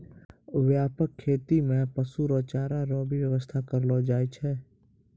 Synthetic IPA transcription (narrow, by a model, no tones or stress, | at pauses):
ʋjaːpəkʰːeːt̪imẽpəsuɾɔːt͡ʃaːɾaɾɔːbʱiwjəʋəst̪ʰakəɾlod͡ʒaːjt͡ʃʰɛː